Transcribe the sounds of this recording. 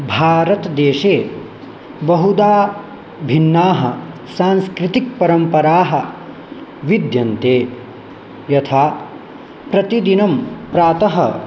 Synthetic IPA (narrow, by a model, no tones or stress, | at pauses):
bʱaːɾɐt̪d̪eːʃeː | bɐɦud̪aː | bʱinːaːɦɐ | saːnskɾit̪ik̚pɐɾɐmpɐɾaːɦɐ̆ | ʋid̪jɐnt̪eː | jɐt̪ʰaː | pɾɐt̪id̪inɐmpɾaːt̪ɐɦɐ̰